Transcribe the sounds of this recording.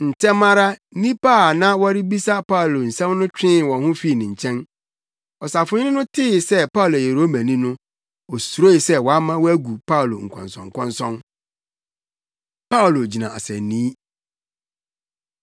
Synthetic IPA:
n̩˨tʰɛ˦mã˦ɾa˦nĩ˦pa˦˨nã˦wɔ˦ɾɪ˦bi˦sa˦pa˦ʊ˨lo˨n̩˨sɛ̃˦mnʊ̃˦t͡ɕᶣɪ̃˦˨wɔ̃˨hʊ̃˦fi˦˨nɪ̃˨ɲ̩˨t͡ɕʰɛ̃˦n | ɔ˨sa˨fʊ˨˦ɲ˦nɪ̃˦nʊ̃˦tʰɪ˦sɛ˦pa˦˨lo˨e˨ɾo˦mæ̃˨nĩ˦nʊ̃˦ | ɔ˨su˨ɾo˦i˨sɛ˦wɔ˨a˦mã˦wɔ˦æ˦ɡu˨pʰa˦o˨lo˨ŋ̩˨kʷʰɔ̰̃˨nsɔ̃˨ŋ̩˨kʷʰɔ̃˦nsɔ̃˦n | pa˦o˨lo˨d͡ʑi˨nã˨a̰˨sɛ̃˨nĩː˦

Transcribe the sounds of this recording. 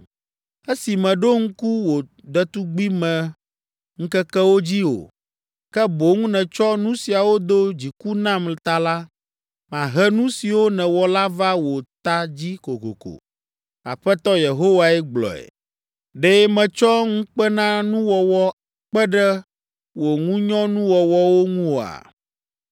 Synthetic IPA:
e˦si˨mɛ̃˨ɖo˦ŋ̩˦ku˦wo˨ | ɖɛ˦t̪u˦ɡ͡bi˦mɛ̃˨ | ŋ̩̃˦kɛ˦kɛ˦wo˦d͡ʑi˦o̰˨ | kɛ˦bo˨˦ŋũ˦nɛ̃˨t͡ʃɔ˦nũ˦si˨a˨wo˦d̪o˦d͡ʑi˨ku˦nã˦mlt̪a˦la˦ | m˨ã˨ɦɛ˦nũ˦si˨wo˦nɛ̃˨wɔ˨la˦va˦wo˨t̪a˦d͡ʑi˦ko˨ko̰˨ko̰˨ | a̰˨ɸɛ˦t̪ɔ˦je˨ɦo˦wa˨ɛ˦ɡ͡blɔ̰˨ɛ̰˨ | ɖe˦mɛ̃˨t͡ʃɔ˦ŋũ˦k͡pɛ˦nã˦nũ˦wɔ˨wɔ˦a˨k͡pɛ˦ɖɛ˦ | wo˨ŋũ˦ɲɔ̃˦nũ˦wɔ˨wɔ˦wo˦ŋũ˦o˨a̰˨

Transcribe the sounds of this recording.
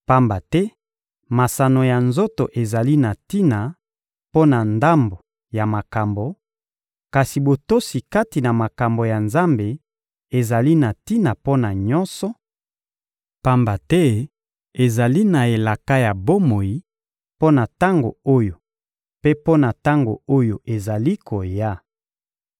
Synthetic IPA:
pa˦mba˨tɛ˦ | ma˨sa˨no˨ja˨nzo˦to˨ʔe˨za˨li˦na˨ti˦na˨ | po˦na˨nda˦mbo˨ | ja˨ma˨ka˨mbo˨ | ka˨si˨bo˨to˦si˨ka˦ti˨na˨ma˨ka˨mbo˨ja˨nza˦mbe˨ | e˨za˨li˦na˨ti˦na˨po˦na˨ɲɔ˦nsɔ˦ | pa˦mba˨tɛ˦ | e˨za˨li˦na˨e˨la˨ka˦ja˨bo˦mo˨ji˨ | po˦na˨ta˦ŋɡo˨o˦jo˨ | pe˦po˦na˨ta˦ŋɡo̰˨o˦jo˨ʔe˨za˨li˦kʰo˨ja˦

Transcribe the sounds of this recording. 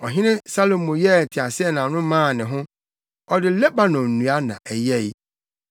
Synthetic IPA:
ɔ˨ɦɪ̃˦nɪ̃˦sa˦lo˨mʊ̃˨jɛ˦˨tʰɪ˨a˨sɪ˦ɛ˦˨nã˨nʊ̃˦mãː˦˨nɪ̃˨ɦʊ̃˦ | ɔ˨dɪ˨lɛ˦ba˨nɔ̃˨nũ˨a˦nã̰˨ʔɛ˨jɛ˦˨i˦

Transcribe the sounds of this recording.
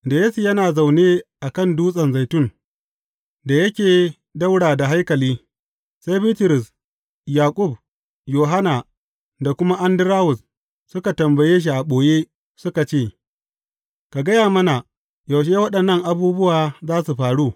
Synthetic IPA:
da˨jeː˦su˨jɐ˦naː˨za˨wneː˦ʔa˨kɐ˦˨nduː˦sʼɐ˨nza˨jtʊ˦ŋ | da˨jɐ˦kʲeː˨ | da˦wɽaː˨da˨ɦa˦jkɐ˨liː˦ | sa˦jbiː˦tɪ˨ɾɪ˨s | jaː˨kʷʼʊ˦˨b̚ | joː˨ɦa˦na˨ | da˨kʷʊ˦ma˦ʔa˦ndɪ˦ɾaː˦wʊ˨s | sʊ˦ka˨tɐ˨mbɐ˨jeː˦ʃ̬i˨ʔa˨ɓoː˨jeː˦ | sʊ˦ka˨t͡ʃeː˦˨ | ka˨ɡɐ˦jaː˨mɐ˦na˨ | ja˨wʃ̬eː˦wɐ˦ɗɐ˨nːɐ˦˨ŋʔa˨buː˦bʊ˦waː˨zaː˦su˨ɸaː˨ɽuː˦˨

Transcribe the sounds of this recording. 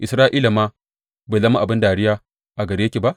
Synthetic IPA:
ʔɪ˨sɾaː˦ʔiː˦la˨maː˦ | beː˨zɐ˦ma˦ʔa˨bɪ˦ndaː˨ɽɪ˦jaː˦ | ʔa˨ɡɐ˨ɾi˦jkʲe˨ba˦ʔ

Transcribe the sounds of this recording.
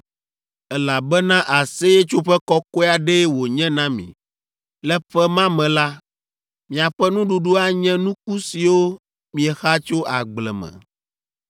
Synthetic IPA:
ɛ˦la˨bɛ˦nã˦ʔa˨se˦jɛ˦t͡ʃo˦ɸɛ˦kɔ˦ko˦˨a˨ɖɛ˦wo˨ɲɛ̃˦nã˦mḭ̃˨ | lɛ˦ɸɛ˦mã˦mɛ̃˨la˦ | mĩ˨a˨ɸɛ˦nũ˦ɖu˨ɖu˦a˦ɲɛ̃˦nũ˦ku˦si˨wo˦ | mĩ˨ɛ˨xa˦t͡ʃo˦ʔa˨ɡ͡blɛ̰˨mɛ̰̃˨

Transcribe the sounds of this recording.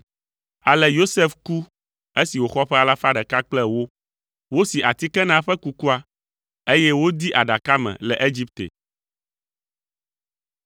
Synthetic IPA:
a˨lɛ˨jo˦se˦fku˦ | e˦si˨wo˨xɔ˦ɸɛ˦a˨la˦fa˦ɖɛ˨ka˦k͡plɛ˦wo˦ | wo˦si˨ʔa˨t̪i˦kɛ˦nã˦ɸɛ˦ku˦ku˦a˦ | e˦jɛ˦wo˦d̪i˦ʔa˨ɖa˨ka˦mɛ̰̃˨lɛ˨ʔe˦d͡ʑi˦p̚t̪ḛ˨

